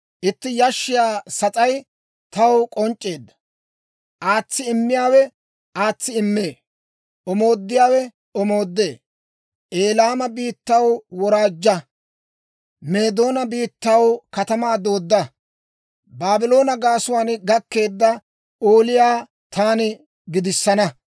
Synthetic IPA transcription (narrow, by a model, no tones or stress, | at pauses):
ʔɪt̪ːɪjɐʃːɪjaːsɐt͡sʼɐj | t̪ɐwkʼɔnt͡ʃʼːe̞ːd̪ːɐ̥ | ʔaːt͡sːɪɪmːɪjaːwɛ | aːt͡sːɪɪmːeː | ɔmo̞ːd̪ːɪjaːwɛ | ɔmo̞ːd̪ːe̞ː | ʔeːlaːmɐbiːt̪ːɐwwɔɾaːd͡ʒːɐ | me̞ːd̪o̞ːnɐbiːt̪ːɐwkɐt̪ɐmaːd̪oːd̪ːɐ | baːbɪlo̞ːnɐɡaːsʊwaːnɡɐkːe̞ːd̪ːɐ | oːlɪjaː | t̪ʰaːnɪ | ɡɪd̪ɪsːɐnɐ